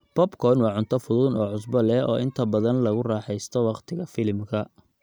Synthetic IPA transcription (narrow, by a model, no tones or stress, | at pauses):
b̥ɔbkʰɔnwɑːʕʊnt̪ʰɔfʊðʊnɔːʕʊsbɔlɛɔːʔɪnt̪ʰɐbɐðɐnlɐɣʊrɑːħɛjst̪ʰɔwɑqt̪ʰɪɣɐfɪlmkʰɐ